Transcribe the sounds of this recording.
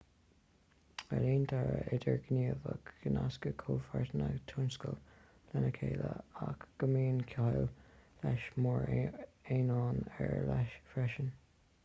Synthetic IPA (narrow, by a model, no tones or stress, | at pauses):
əliːnt̪ʰaɹəʔɪdəɹɡniːəvəɡənaskəkʰoːfaɹtənəɡt̪ʰunskəl | lɛnəkʰeːləakɡ̥əmiːnkʰaɪllɛʃmɔɹeːnɑːnɛɹlɛʃfɹɛʃən